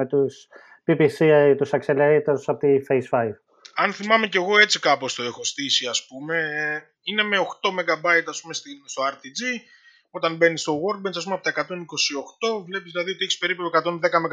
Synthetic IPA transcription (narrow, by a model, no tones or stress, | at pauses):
et̪us | pipisit̪usɐkseleɾit̪eɾusɐpot̪ifejsfɐjv | ɐnθimɐme̞ce̞ɣo̞e̞t͡sikɐpo̞st̪o̞e̞xo̞st̪isiɐspume̞ | ine̞me̞o̞xt̪o̞me̞ɡɐbɐjt̪ɐspumest̪inst̪oɐɾt̪id͡zi | o̞t̪ɐnbe̞nist̪o̞ɣo̞ɾɡ̚bensɐs̬pumeɐpo̞t̪ɐekɐt̪o̞niko̞sio̞xt̪o̞vle̞pizðilɐðiot̪e̞çispe̞ɾipekɐt̪o̞nðe̞kɐmeɡ